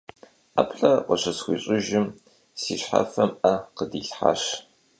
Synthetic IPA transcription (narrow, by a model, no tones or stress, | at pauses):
a̰pʰɬɐqəɕɐsxʷḭːɕʼɪʒɪm | siːɕħa̰fɐmʔɐqədiːɬħa̰ʃ